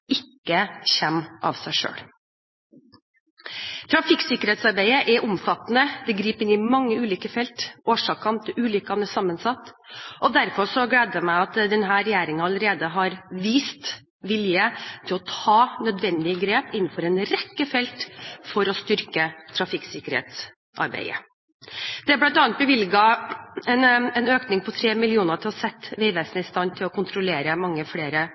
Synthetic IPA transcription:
ɪkːəçɛmːʔɑ̰ʋsæɪʂø̰ːɽ | t̪ʰɾɑfɪksɪkːəɾeːt̪sɑɾbæɪəʔɛʔʊmfɑt̪ːnəd̪ɛɡɾiːpɪnɪmɑŋːəʉːliːkəfɛlt̪oːʂɑːkɑnt̪ʰʔʉːlʏkːɑnəsɑmːənsɑt̪ːʔɔd̪æɾfɔʂɔɡleːd̪jæmæɪɑt̪d̪ɛnɦæːɾɛjæːɾɪŋɑləɾeːd̪əɦɑɾʋiːst̪ | ʋɪljət̪ʰɪlɔt̪ʰɑːnœd̪ʋɛnd̪ɪəɡɾeːpɪn̩ːfɔɾɛnɾɛkːəfɛlt̪fɔɾɔst̪ʏɾkət̪ʰɾɑfɪksɪkəɾhḛːt̪s | ʔɑ̰ɾbæ̰ɪə̰ | d̪̥ɛblɑnt̪ɑːnt̪bəʋɪlɡɑɛnɛnøːknɪŋpʰɔt̪ʰɾeːmɪlɪuːnət̪ʰɪlɔsɛt̪ːʋeɪʋeːsənəɪst̪ɑnt̪ʰɪlɔkʰʊnt̪ʰɾʊleːɾəmɑŋːəfɽeːɾə

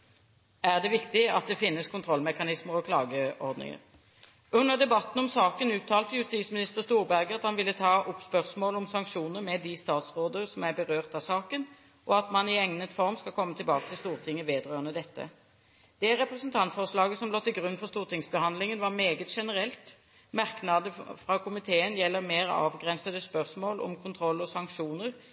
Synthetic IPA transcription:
æʁd̪ɛʋɪkt̪ɪɑt̪̚d̪ɛfɪnːəskʰʊnt̪ʰɾɔlːmɛkɑnɪsməɾɔkʰlɑ̰ːɡəʔɔʁd̪nɪ̰ŋə̰ʁ | ʉnːəʁd̪ɛbɑt̪n̩ɔmsɑːkənʉːt̪ʰːɑːlt̪əjʉst̪iːsmɪnɪst̪əʁɾst̪uːʁbæʁɡəɑt̪hɑnʋɪlːət̪ʰɑːʔʊpspœʁsmoːlɔmsɑŋkʂuːnəɾmɛd̪ɪst̪ɑːt̪sʁoːd̪əʁsɔmæʁbəʁøːʁt̪ɑʋsɑːkən | ʔɔɑt̪mɑnɪɛŋnət̪fɔʁmskɑlkʰɔmːət̪ʰɪlbɑːkət̪ʰɪlst̪uːʁt̪ʰɪŋːəʋeːd̪ʁøːʁənəd̪ɛt̪ːə̰ | d̪̥ɛæɾʁɛpʁɛsənt̪ʰɑnt̪fɔʁʂlɑːɡəsɔmloːt̪ɪlɡʁʉnːfɔʁst̪uːʁt̪ʰɪŋsbəhɑnd̪lɪŋənʋɑʁmeːɡət̪ʂɛnəʁɛlt̪ | mɑʁknɑd̪əfʁɑkʰʊmɪt̪ʰeːənjɛlːəʁmeːʁɑ̰ːʋɡʁɛnsəd̪əspœʁsmoːlʔɔ̰mkʰʊnt̪ʰɾɔlːɔsɑŋkʂuːnəʁ

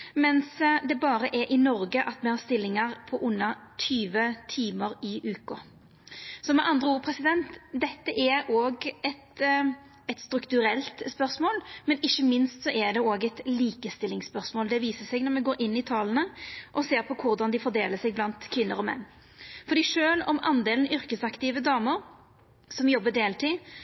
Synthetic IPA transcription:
mɛnsd̪ɛbɑːɾəʔɛɾʔɪnɔɾɡəʔɑt̪mɛhɑɾst̪ɪlːɪŋəɾpʰɔʔʊnːɑt̪ʰyːʋət̪ʰiːməɾɪʔʉːkɔ | sɔmɛʔɑnd̪ɾəuːpʰɾɛsɪd̪ɛnt̪d̪ɛt̪ːəʔɛɾoːɡɛt̪ | ɛt̪st̪ɾʉkt̪ʉɾɛlt̪spœʁsmoːlmɛnɪçːəmɪnst̪sɔʔɛd̪ɛoːɡɛt̪liːkəst̪ɪlɪŋspœʁsmoːld̪ɛʋiːsəsɛɡnɔɾmɛɡoːɾɪnːɪt̪ʰɑːlənəʔɔseːɾpʰɔkʰʊɾd̪ɑnd̪ɪfɔɾd̪eːləsɛɡ̚blɑnt̪kʰʋɪnːəɾɔmɛ̰nː | fɔɾd̪iːʂøːlɔmɑ̰nd̪eːln̩ʏɾkəsɑkt̪ɪːʋəd̪ɑːməɾ | sɔmjɔbːəd̪eːlt̪ʰi

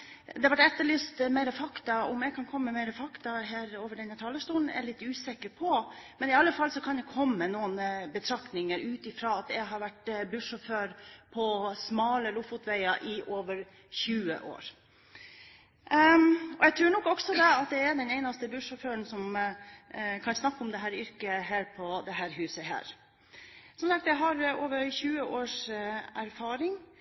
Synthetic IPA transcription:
d̪ɛʋæʈɛt̪ːəɭyːst̪meɪɾəfɑkt̪ɑʊmɛɡkʰɑnkʰɔmːəmeɾəfɑkt̪ɑɦæːɾoːʋəɖɛnæt̪ʰɑːlːəʂt̪uːn̩æ̰ɭɪt̪ːʉːsɛkəɾpʰɔmɛnɪɑlːəfɑlːsɔkʰɑnd̪ɛkʰɔmːənuːənəbət̪ʰɾɑkt̪nɪŋəɾʉːt̪ɪfɾɑːɑt̪ɛɪɦɑɾʋæʈbʉʂɔføːɾpʰɔsmɑːləlʊfʊt̪ʋæɪɑʔɪʔoːʋəɾ | çʉːə̰ʔo̰ːɾ | ɔɛɡt̪ɾʉːɳɔkːɔksɔd̪ɛɑt̪̚d̪ɛæɖ̪ɛneɪnɑst̪əbʉʂɔføːəɳsɔm | kʰɑnsnɑkːɔmd̪ɛɦæːɾʏɾkəɦæːɾpʰɔd̪ɛɦæːɾɦʉːsəɦæ̰ːɾ | sɔmsɑkt̪jæɪɦɑɾoːʋəɾçʉːəʔoːʂæɾfɑːɾɪŋ

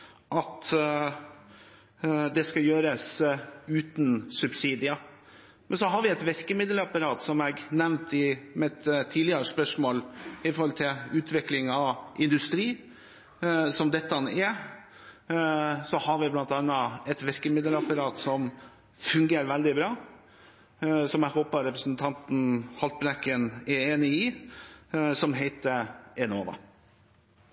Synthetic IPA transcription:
ʔɑt̪ | d̪ɛskɑjøːɾəsʉːt̪nsʉbsiːd̪ɪə | mɛnsɔɦɑɾʋɪɛt̪ʋɛɾkəmɪd̪l̩ɑpɑɾɑːt̪sɔmɛɡnɛʋnt̪ɪmɛt̪t̪ʰːiːdlɪəɾəspœʂmoːlɪfɔɾhɔlt̪ʰɪlʉːt̪ʰʋɪklɪŋɑʔɪnd̪ʉst̪ɾiː | sɔmd̪ɛt̪ːəɑnɛ | sɔhɑɾʋɪblɑnt̪ɑnːɑɛt̪ʋɪɾkəmɪd̪əlɑpɑɾɑːt̪sɔm | fʉŋɡeːɾʋæld̪ɪbɾɑː | sɔmæhoːpəɾɛpɾəsn̩t̪ʰɑnt̪n̩hɑlt̪̚bɾɛkːənɛɾeːnɪɪ | sɔmɦeɪt̪əɛnoːʋɑ̰

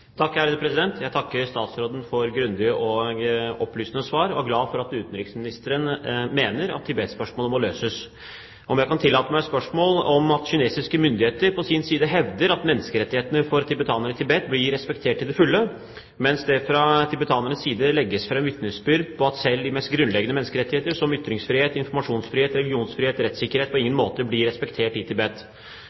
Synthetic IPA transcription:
t̪ʰɑkːhæɾəd̪əpʰɾɛsɪd̪ɛnt̪ʰjæɪt̪ʰɑkːəɾst̪ɑːt̪sɾoːd̪ən̩fɔɾɡɾʉnd̪ɪəʔɔɡɔpːlyːsnəsʋɑːɾɔæɡlɑːfɔɾɑt̪ʉːt̪n̩ɾɪksmɪnɪst̪əɾənmeːnəɾɑ̰t̪ʰːɪbɛt̪spœʂmoːləmɔløːsəs | ʔɔmjæɪkɑnt̪ʰɪlːɑːt̪əmæɪspœʂmoːlɔmɑt̪ɕʏneːsɪskəmʏnd̪ɪheːt̪əɾpʰɔsiːnsiːd̪əɦɛʋd̪əɾɑt̪mɛnːəskəɾɛt̪ːɪheːt̪ənəfɔɾt̪ʰɪbət̪ʰɑːnəɾɪt̪ʰɪbɛt̪blɪɾɛspɛkt̪ʰeːʈːɪld̪ɛfʉlːə | mɛnsd̪ɛfɾɑt̪ʰɪbət̪ʰɑːnəɳəsːiːd̪əlɛɡːəsfɾɛmʋɪt̪nəsbʏɾd̪pʰɔɑt̪sɛld̪ɪmɛst̪̚ɡɾʉnlɛɡənəmɛnːəskəɾɛt̪ːɪheːt̪əʂɔmʏt̪ɾɪŋsfɾɪheːt̪ɪnfɔɾmɑʂuːnsfɾɪheːt̪ɾɛlɡɪuːnsfɾɪheːt̪ɾɛt̪sɪkːəɾheːt̪pɔɪŋːənmoːt̪əblɪɾɛspɛkt̪ʰeːʈɪt̪ʰɪbɛt̪ː

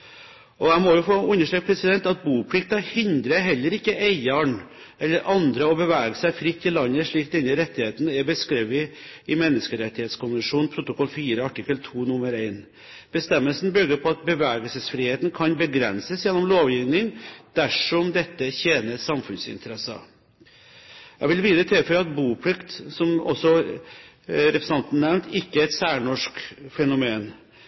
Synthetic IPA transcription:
ʔɔæɪmɔjʊfoːʉnːəʂʈɾøːk̚pʰɾɛsɪd̪ɛnt̪ɑt̪̚buːpʰlɪk̚t̪ɑhɪnd̪ɾəɦɛlːəɾɪkːəʔæɪɑɳ | ʔɛlːəɾʔɑnd̪ɾəɔbəʋæːɡəsæɪfɾɪt̪ːɪlɑnːəʂɭiːkd̪ɛnːəɾɛt̪ːɪheːt̪nɛɾbəskɾeːʋɪ | ɪmɛnːəskəɾɛt̪ːɪheːt̪skʰʊmʋəʂuːnpʰɾʊt̪ʊkʰɔlːfiːɾəɑʈɪkːəlt̪ʰuːnʊmːəɾeɪn | b̥əst̪ɛmːəlsn̩bʏɡəpʰɔɑt̪̚bəʋɛːɡəlsəsfɾiːheːt̪n̩kʰɑnbəɡɾɛnsəsjɛnːɔmloːʋjɪʋnɪŋd̪̥æʂɔmd̪ɛt̪ːəçeːnəsɑmfʉnsɪ̰nt̪ʰəɾɛsɑ̰ | jæɡʋɪlʋiːd̪ɾət̪ʰɛːføɾɑt̪buːpʰlɪkt̪sɔmɔ̰sːɔ | ɾɛpɾəsɑnt̪n̩nɛmt̪ʰɪkːəæɪt̪sæːɳɔʂkfɛnʊmeːn

